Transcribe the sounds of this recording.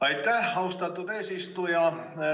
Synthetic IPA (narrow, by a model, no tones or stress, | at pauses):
ɑit̪ːæhɑust̪ɑt̪upeˑsist̪ujɑ